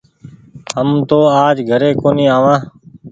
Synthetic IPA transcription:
ɦəmt̪oːaːd͡ʒɡʱəɾeːkoːniːaːʋãː

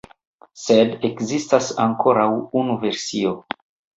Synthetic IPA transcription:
se̞dekzistasaŋko̞ɾawunuve̞ɾsio

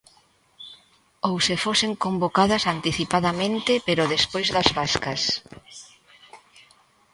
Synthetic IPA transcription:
owsefoseŋkombokaðɐsant̪iθipaðamẽnt̪ɪpeɾʊðespojzðɐzβaskɐs

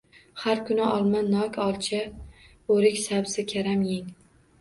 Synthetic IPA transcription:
haɾkʰʊnɪʔɒlˠmanːɒkʲʰɒlˠt͡ʃʰa | oɾɪkʲsabsɪkʲʰaɾamjɪŋ

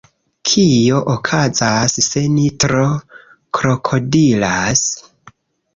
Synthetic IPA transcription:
kʰijo̞ʔokʰazasse̞nitɾo̞ | kɾo̞kʰo̞dilas

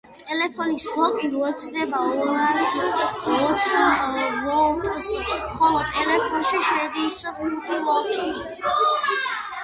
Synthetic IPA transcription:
t̪ʼɛlɛpʰɔnisbɔkʼiɾuɛɾt̪ʰd̪ɛbaɔɾas | ɔt̪sʰ | mɔt̪ʼsmχɔlɔt̪ʼɛlɛpʰɔnʃiʃɛd̪isɔbiɾt̪ʰibɔkʼi

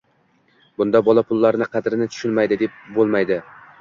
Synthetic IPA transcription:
bʊnd̪ɑbɒlˠapʰʊlˠːaɾɪnɪqʰɑd̪ɪɾɪnɪt̪ʰʊ̥ʃʊnmajd̪ɪd̪e̞p̚bolˠmajd̪ɪ

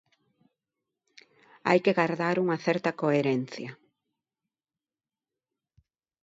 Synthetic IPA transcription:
a̰jkeɣaɾðaɾuŋɐθɛɾt̪ɐkoeɾɛn̟θja

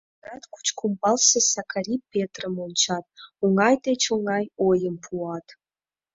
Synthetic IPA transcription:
ratkʷʰu̥t͡ʃʰkʷʰumbalsɐsakʰaɾipʰːetʰrəmont͡ʃʰatuŋajtʰʼet͡ʃʰoŋajojəmpʰuatʰʼ

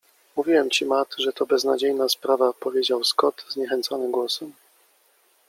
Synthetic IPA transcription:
muvʲiwɛmt͡ɕimat̪ʐɛt̪ɔbɛznad͡ʑejnaspɾavapɔvʲjed͡ʑawskɔt̪zɲɛxɛnt̪sɔnɘɡwɔsɛm

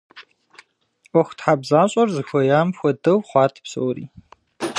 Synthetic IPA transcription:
ɔxʷtħabzaːɕʼɐrzɨxʷɔjaːmxʷɔdɐwχʷɑːtʰpsɐ̰wɾḭː

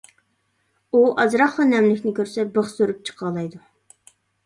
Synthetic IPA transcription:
uʔɑzɾɑχχɑnɛmlɪkʲnɪkʲøɾsɛbəχsøɾyp̚t͡ʃʰə̥qʰɑlˠɑjd̪u

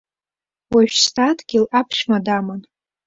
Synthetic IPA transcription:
waʒᶣstʰatʰɡʲilʔapʰʃmadaman

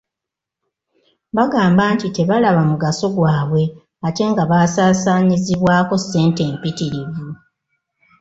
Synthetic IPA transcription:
βaɡaːmbaːntite̞βalaβamuɡaso̞ɡwaːβwe̞ | ate̞ːŋɡaβaːsaːsaːɲiziβwaːko̞se̞ːnte̞ːmpitiɾivu

